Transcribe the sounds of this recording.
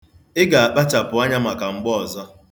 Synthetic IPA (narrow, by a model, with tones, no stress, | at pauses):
ɪ˦ɡa˨a˨k͡pa˦t͡ʃa˨pʊ˨a˦ɲa˦ma˨ka˨ŋ͡m̩˨ɡ͡bɔ˦ɔ˨zɔ˦